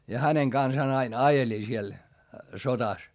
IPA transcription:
jɑ hæneŋ kɑnsɑːn ɑin ɑjeli siel sotɑs

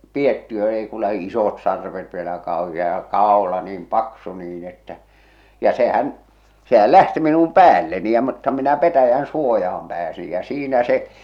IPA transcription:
pietːiø ei ku læhi isot sɑrʋet ʋielæ kɑˑohiɑ jɑ kɑˑolɑ niːm pɑksu niːn etːæ jɑ sehæn sehæl læhti minum pæːlːeni jɑ mutːɑ minæ petæjæn suojɑhɑm pæːsij jæ siːnæ se

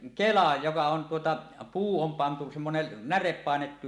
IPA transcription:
kelɑ jokɑ on tuotɑ puː om pɑntu semːonen nærep pɑˑenetːu

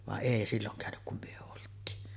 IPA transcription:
ʋɑʔ ʔeˑi silːoŋ kæˑønyk kum myø oltˑiːn

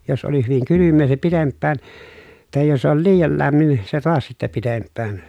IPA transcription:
jos oli hyʋiŋ kylymːeː se pitempːæːn tɑˑej jos ol liːjɑl læmːin se toɑs sitːæ pitempːæːn

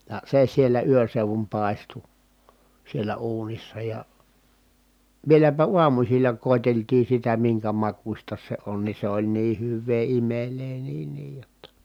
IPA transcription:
jɑ se sielːæ yøn̞ seuʋum pɑˑestu sielæ uːnisːɑ jɑ ʋielæpæ uɑmusilːɑ koˑeteltiː sitæ miŋkæ mɑkusʲtɑ se on ni se olʲ niː hyʋˑeː imeleː niːn niːj jotːɑ

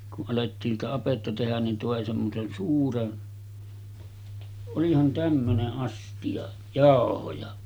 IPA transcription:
kuʔ ʔɑletːiːn sitæ ɑpetːɑ tehæn nin toˑe semːosen suːren olihɑn tæmːøneʔ ʔɑstij̆ɑ jɑˑohojɑ

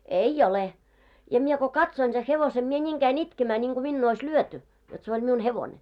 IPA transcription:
ei ole jɑ mie ko kɑtsoin se heʋose mie nʲiːŋ kæin itkemæː nʲiŋɡ̊u minːuː ois lyøty jot se olʲ miun heʋonʲe

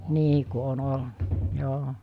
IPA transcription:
niː ku on olnɑ joː

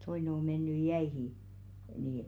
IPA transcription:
toine o menːyj̆ jæihiˑ niː

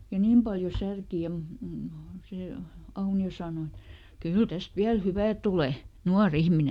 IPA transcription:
jɑ niːm pɑljo særki jɑ mu m seˑ ɑunio sɑːno et kyl tæst ʋiæl hyʋæˑ tule nuɑr ihmine

